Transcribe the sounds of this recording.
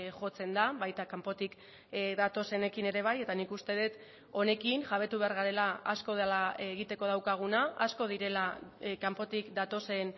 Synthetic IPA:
ʝo̞t͡se̞nd̪aβajt̪akampo̞t̪ik | d̪at̪o̞se̞ne̞kine̞ɾe̞β̞aje̞t̪anikust̪e̞ðet̪ | o̞ne̞kinʝaβ̞e̞t̪uβe̞aɾɣ̞aɾe̞laasko̞ðelaeɣit̪e̞ko̞ðawkaɣ̞unaːsko̞ð̞iɾe̞lakampo̞t̪ikd̪at̪o̞se̞n

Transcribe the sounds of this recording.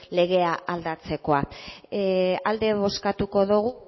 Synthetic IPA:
le̞ɣe̞aald̪at͡se̞ko̞a | ald̪e̞βo̞skat̪uko̞ðuɣu

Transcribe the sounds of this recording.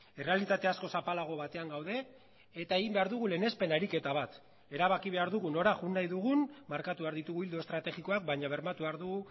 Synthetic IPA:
e̞re̞alit̪at̪e̞asko̞sapalaɣ̞o̞βat̪e̞aŋɡawðe̞ː | t̪ae̞ɣimbe̞aɾðuɣ̞ule̞ne̞spe̞naɾike̞t̪aβ̞at̪ | e̞ɾaβakiβ̞e̞aɾðuɣuno̞ɾaʝunːajðuɣunmaɾkat̪uβaɾðit̪uɣuild̪ost̪ɾat̪e̞xiko̞ak̚baɲaβe̞ɾmat̪uβeaɾðuɣu

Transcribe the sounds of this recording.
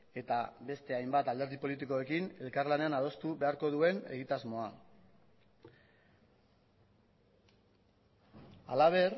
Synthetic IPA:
e̞t̪abe̞st̪e̞ajmbat̪ald̪e̞ɾðipo̞lit̪̬iko̞e̞kine̞lkaɾlane̞anað̞o̞st̪uβe̞aɾko̞ðue̞ne̞̰ɣ̞it̪azmo̞a | a̰laβ̞e̞r

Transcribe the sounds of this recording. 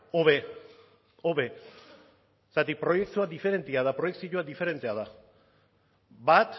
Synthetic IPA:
oβe | oβe̞ | sat̪ipɾo̞je̞k̚t̪uad̪ife̞ɾe̞nt̪iaðapɾo̞je̞ksiʎoad̪ife̞ɾe̞nt̪eaða | bat̪

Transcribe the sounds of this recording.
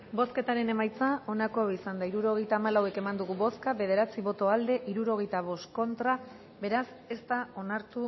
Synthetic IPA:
bo̞ske̞t̪aɾe̞ne̞majt͡sao̞nako̞aisand̪aiɾuɾo̞ɣ̞e̞jt̪aːmalawe̞ke̞mand̪uɣuβo̞skaβe̞ð̞e̞ɾat͡siβo̞t̪oald̪e̞ʔiɾuɾo̞ɣ̞e̞jt̪aβ̞o̞sko̞nt̪ɾa | be̞ɾas | e̞st̪ao̞naɾt̪u

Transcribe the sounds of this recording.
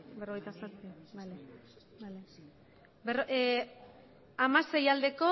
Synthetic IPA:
beroejt̪asaspiale | bale | beroʔ | amase̞jald̪e̞ko̞

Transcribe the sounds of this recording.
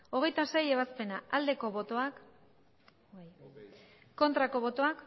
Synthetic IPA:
o̞ɣ̞e̞jt̪ase̞je̞β̞aspe̞naald̪e̞ko̞βo̞t̪o̞ak | ko̞nt̪ɾako̞βo̞t̪o̞ak

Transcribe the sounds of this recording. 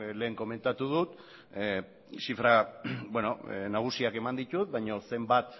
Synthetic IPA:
le̞ːŋko̞me̞nt̪at̪uð̞ut̪ | sifɾabwe̞no̞̰naɣ̞usiake̞mand̪it̪ut̪̚βajɲo̞se̞mbat̪

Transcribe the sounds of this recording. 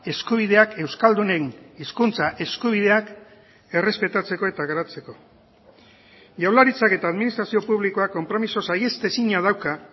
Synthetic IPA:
e̞skuβ̞iðe̞ake̞wskald̪une̞niskunt͡saʔe̞skuβ̞iðe̞ak | e̞re̞spe̞t̪at͡se̞ko̞e̞t̪aɣaɾat͡se̞ko̞ | ʝawlaɾit͡sake̞t̪aːðminist̪ɾasio̞puβliko̞akːo̞mpɾo̞miso̞saje̞st̪e̞siɲaðawka

